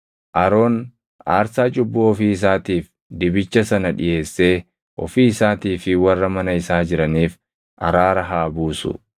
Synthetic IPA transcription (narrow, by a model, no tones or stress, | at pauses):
ʔɐɾo̞ːn | a̰ːɾsaːt͡ʃʼʊbːuːɔfiːɪs̬aːt̪iːf | d̪ɪbɪt͡ʃːɐsɐnɐᶑɪ̰je̞ːsːe̞ː | ʔɔ̰fiːɪsaːt̪iːfɪwɐrːɐmɐnɐɪsaːd͡ʒɪɾɐniːf | ʔɐ̰ɾaːɾɐɦaːbuːsʊ̰